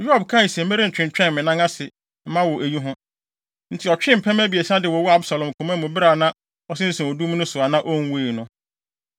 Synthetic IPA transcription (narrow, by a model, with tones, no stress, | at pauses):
ju˦a˨bkʰã˦˨sɛ˨˦me˦ɾɪ̃˦n̩˨t͡ɕᶣɪ̃˨n˨t͡ɕᶣɛ̃˦n˨mɪ̃˨nã˦ŋa˦sɪ˨ | m̩˦mã˦wɔ˨ʔæ˨ɲi˦ɦʊ̃˦ | n̩˨tʰɪ˨ɔ˨t͡ɕᶣɪ̃˦m̩˨pʰɛ̃˦mæ˦bi˨e˨sã˦dɪ˨wɔ˨wɔ˦a˦bsa˨lɔ̃˨m˨kʰʊ̃˨mã˦mʊ̃˨bɪ˦ɾa˨nã˦ | ɔ˦sɪ̃˦n̩˦sũ˨ɔ˨du˦m˦nʊ̃˦sʊ˨a˨nã˦ʔɔ˦ŋ˦weː˦˨nʊ̃˦